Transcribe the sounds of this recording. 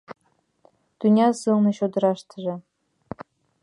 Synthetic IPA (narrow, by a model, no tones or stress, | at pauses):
t̪ynʲɑsɨlnɤ̆ɕod̪ɤ̆ɾɑʃt̪ə̆ʒĕ